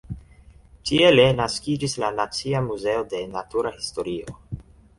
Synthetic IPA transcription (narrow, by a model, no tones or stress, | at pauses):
tie̞le̞naskid͡ʒislanat͡siamuze̞o̞de̞natuɾahisto̞ɾio̞